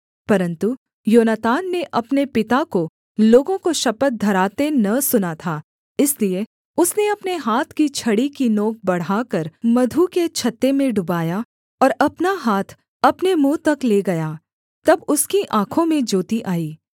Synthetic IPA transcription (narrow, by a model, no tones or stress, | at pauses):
pɐɾə̃nt̪u | joːnət̪aːnːeʔɐpnepɪt̪ako | loːɡõkoʃɐpət̪̚d̪ʱɐɾaːt̪enɐsʊnat̪ʰaː | ɪslie | ʊsneɐpneɦaːt̪ʰkit͡ʃʰɐɽikinoːk̚bɐɽ̤aːkɐɾmɐd̪ʱuket͡ʃʰɐt̪ːemẽɖʊbaːja | ɔːɾɐpnaɦaːt̪ʰ | ɐpnemũːt̪ɐkleːɡɐjaː | t̪ɐbʊskiʔãːkʰõmẽd͡ʒoːt̪iʔaːiː